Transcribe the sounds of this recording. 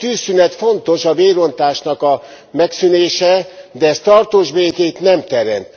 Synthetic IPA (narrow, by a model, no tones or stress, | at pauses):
t̪yːsːynɛt̪fo̞nt̪o̞ʃɒveːɾo̞nt̪aːʃnɒkɒ | mɛksyneːʃɛd̪ɛɛst̪ɒrt̪oːʒbeːkeːt̪nɛmt̪ɛɾɛ̰nt̪